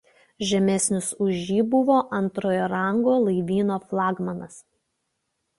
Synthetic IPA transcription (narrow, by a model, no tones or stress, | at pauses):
ʒʲɛmʲɛsʲnʲʊsʊʒʲiːbʊʋoːʔɐnˑt̪ɾoːjoɾɐˑŋɡoːlˠɐɪʋʲiːnoːflˠɑːɡmɐnɐs